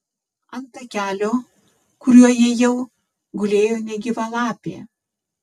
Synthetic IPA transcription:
ɐnt̪ɐkʲæːlʲoː | kʊɾʲuɔjiɛjɛʊ | ɡʊlʲeːjoːnʲɛɡʲɪʋɐlˠɑːpʲeː

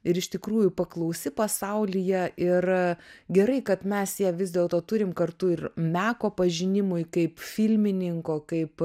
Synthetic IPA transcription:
ɪɾɪʃʲt̪ʲɪkɾuːjʊpɐklˠɐʊsʲɪpɐsɐʊlʲɪjɛʔɪrɡʲɛɾɐɪkɐt̪mʲɛsjɛʋʲɪzʲd̪ʲeːlˠt̪oːt̪ʊɾʲɪmkɐrt̪ʊɪrmʲæːkoːpɐʒʲɪnʲɪmʊjkɐɪpfʲɪlʲmʲɪnʲɪŋkoːkɐɪp

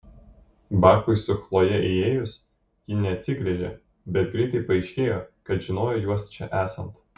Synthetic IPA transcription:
bɑːkʊɪsʲʊxlˠoːjɛʔeeːjʊs | jɪnʲɛɐt̪ʲsʲɪɡɾʲɛʒʲe | bʲɛt̪̚ɡɾʲiɪt̪ɐɪpɐɛɪʃʲkʲeːjoːkɐt̪ʒʲɪnoːjoːjuɔst͡ʃʲɛʔæːsɐnt̪

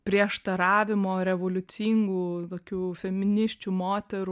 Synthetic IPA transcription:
pʲɾʲiɛʃt̪ɐɾɑːʋʲɪmoːɾʲɛʋoːlʲʊt͡s̪ʲiːŋɡuːt̪oːkʲuːfʲɛmʲɪnʲɪsʲt͡ʃʲuːmoːt̪ʲɛɾu

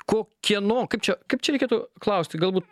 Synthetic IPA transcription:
koːkʲiɛnoːkɐɪp̚t͡ʃʲɛkɐɪp̚t͡ʃʲɛɾɛkʲeːt̪ʊklˠɐʊsʲt̪ʲɪɡɐlˠbuːt̪

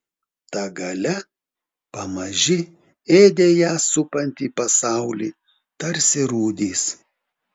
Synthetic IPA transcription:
t̪ɐɡɐlʲɛ | pɐmɐʒʲɪ | eːd̪ʲeːjæːsʊpɐnʲt̪ʲiːpɐsɑˑʊlʲiː | t̪ɐɾʲsʲɪɾuːd̪ʲiːs

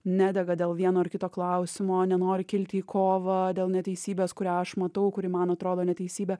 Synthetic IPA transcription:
nʲæːd̪ʲɛɡɐd̪ʲeːlˠʋʲiɛnoːɪɾkʲɪt̪oːklˠɐʊsʲɪmoːnʲɛnoːɾʲɪkʲɪlʲt̪ʲɪiːkʰoːʋɐd̪ʲeːlˠnʲɛt̪ʲɛɪsʲiːbʲeːskʊɾʲæːɐʃmɐt̪ɐʊkʊɾʲɪmɐnɐt̪ɾoːd̪oːnʲɛt̪ʲɛɪsʲiːbʲɛ

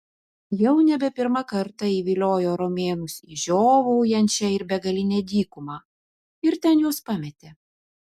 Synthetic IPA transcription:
jɛʊnʲɛbʲɛpʲɪɾmɑkɐɾt̪ɑiːʋʲiːlʲoːjoːɾomʲeːnʊsiːʒʲoːʋɐʊjɛnʲt͡ʃʲɛɪɾbʲɛɡɐlʲɪnʲeːd̪ʲiːkʊmɑː | ɪɾt̪ʲɛnjuɔspɑmʲɛt̪ʲeː

